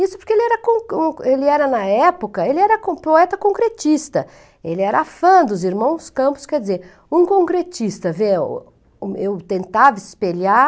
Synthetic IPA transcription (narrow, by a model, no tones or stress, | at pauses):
isʊ̥poɾkeelɪɛɾɐkõũelɪɛɾɐnɐɛpʊkɐelɪɛɾɐkõpoɛt̪ɐkõŋkɾet͡ʃist̪ɐ | elɪɛɾɐafɐ̃d̪ʊziɾmɐ̃w̃skɐ̃mpʊ̥skɛɾd͡ʒɪzeɾ | ũkõkɾet͡ʃist̪ɐvḛ | ewt̪ẽnt̪avɐɪspela